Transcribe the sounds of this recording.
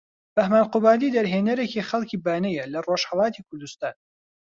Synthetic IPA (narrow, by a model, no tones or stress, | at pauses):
b̥ɐhmaːnqʊbaːd̪iːd̪ɐɾɦeːnɐɾecixɐlˠciːbaːnɐjɐlɐroʃhɐlˠɑːt̪ikʰʊɾd̪ust̪aːn